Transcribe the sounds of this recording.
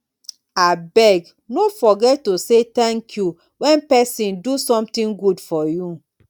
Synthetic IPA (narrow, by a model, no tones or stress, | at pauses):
abɛɡ | nofɔɡɛtːoset̪ɛ̃ŋkʰju | wɛ̃npɛsĩndusɔ̃mtĩŋɡudfɔju